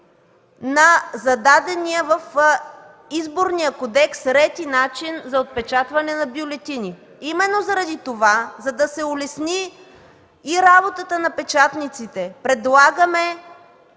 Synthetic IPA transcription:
nɐzɐd̪ad̪ɛnijəvɐf | izboɾnijəkod̪ɛksɾɛt̪inat͡ʃinzɐot̪̚pɛt͡ʃat̪vɐnɛnɐbiolɛt̪ini | imɛnːozɐɾɐd̪it̪ovazɐd̪ɐsɛʊlɛsniː | ɾabot̪ət̪ənɐpɛt͡ʃat̪nit̪sit̪ɛpɾɛd̪lˠaɡəmɛ

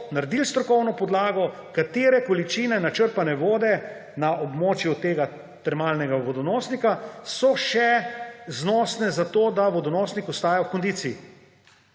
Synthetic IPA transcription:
naɾd̪ilst̪ɾɔkɔwnɔpɔd̪laːɡɔ | kat̪eːɾɛkɔlit͡ʃiːnɛnat͡ʃəɾpanɛʋoːd̪ɛ | naʔɔbmoːt͡ʃjut̪eːɡa | t̪ɛɾmaːlnɛɡaʋɔd̪ɔnɔːsnikasɔʃɛznɔːsnɛzat̪oːd̪aʋɔd̪ɔnɔːsnikɔst̪aːjawkɔnd̪iːt̪siː

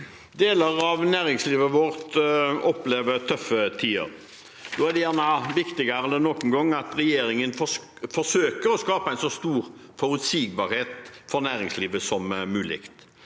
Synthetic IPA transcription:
d̪eːləɾɑʋnæːɾɪŋsliːʋəʋɔʁɾt̪ɔpleːʋət̪ʰœfːət̪ʰiːə̰ɾ | noːæʁd̪ɛjæːʁnəʋɪkt̪ɪɡəɾələnɔkənɡɔŋːɑt̪ɾɛjeːɾɪŋənf | fɔsøːkəɾɔskɑːpəæɪnsɔst̪uːɾfɔɾʉt̪siːɡ̚bɑɾheːt̪fɔɾnæːɾɪŋsliːʋəsɔmmʉːlɪ̰kt̪

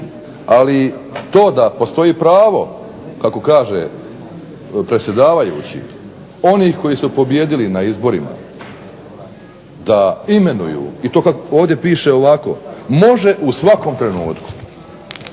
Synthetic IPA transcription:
alit̪o̞ːd̪apo̞st̪o̞iːpɾaːʋo̞ | kako̞kaːʒe | pɾe̞t̪sʲje̞d̪aːʋajṵːt͡ɕḭ | o̞niːxko̞jisupo̞bje̞d̪ilinaizbo̞ɾima̰ | d̪aime̞nṵjṵːit̪o̞ːkakoːʋd̪je̞piːʃe̞o̞ʋako̞̰mo̞ʒe̞ʔusʋako̞mt̪ɾe̞nuːt̪ku̥

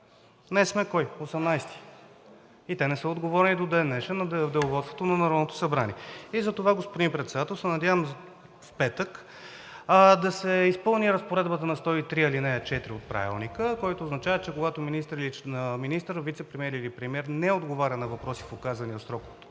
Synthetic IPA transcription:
nɛsmɛkɔjosɛmnajst̪i̥ | it̪ɛnɛsəod̪ɡovɔɾnid̪od̪ɛnːɛʃɛnɐd̪ɛʊvɔt̪st̪vot̪onɐnɐɾɔd̪not̪o̥sɐbɾaniɛizɐt̪ovaɡospod̪impɾɛt̪sɛd̪at̪ɛlˠsɛnɐd̪javəm | fpɛt̪ək | d̪ɐsɛispɤlˠniɾəspoɾɛd̪bət̪ənɐst̪ɔit̪ɾiɐlinɛt͡ʃɛt̪ɾiot̪̚pɾa̰vḭlˠnikəkɔjt̪oːznɐt͡ʃavət̪t͡ʃɛkoɡat̪ominist̪əɾiliəminist̪əɾvit̪sɛpɾɛmʲɛɾilipɾɛmiɛɾnɛod̪ɡovaɾʲɐnɐvɐpɾɔsi̥fokazvɐniot̪sɾɔkovot̪o̥

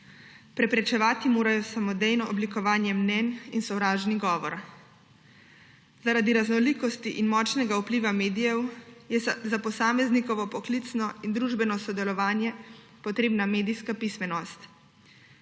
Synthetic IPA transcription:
pɾɛpɾɛt͡ʃɛʋaːt̪imoːɾajɔsamɔd̪ɛjnɔɔblikɔʋaːnjɛmnɛninsɔwɾaːʒniɡɔːʋɔɾ | zaɾad̪iɾaznɔliːkɔst̪iʔinmɔːt͡ʃnɛɡaupliːʋameːd̪ijɛwjɛzapɔsaːmɛznikɔʋɔpɔklit̪snɔind̪ɾuʒbɛnɔsɔd̪ɛlɔʋaːnjɛ | pɔt̪ɾeːbnameːd̪ijskapismɛnɔst̪

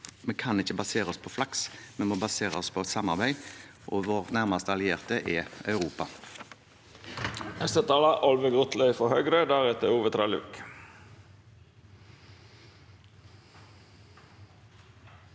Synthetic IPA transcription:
meːkʰɑnɪçəbɑseːʁəɔspʰoːflɑksmɛmoːbɑseːʁəɔspʰoːɛt̪sɑmɑʁbæɪ | ʔoːʋoːʁnæʁmɑst̪əɑlɪeːʁt̪əʔɛœʉʁuːpɑ | ɛst̪ət̪ʰɑːlɑʔɔlʋəɡʁʊt̪lœɪfɔhœɡɾəd̪æʁɛt̪əuːʋət̪ʰɾɑlʉ̰k

